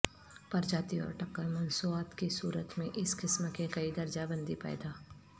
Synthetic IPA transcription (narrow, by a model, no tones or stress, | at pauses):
pɐɾd͡ʒaːt̪iɔ̰ːɾʈɐkːəlmɐnsuaːt̪kisuːɾət̪mẽʔɪskɪsmkekɐid̪ɐɾd͡ʒabə̃nd̪ʱipɛ̰ːd̪aː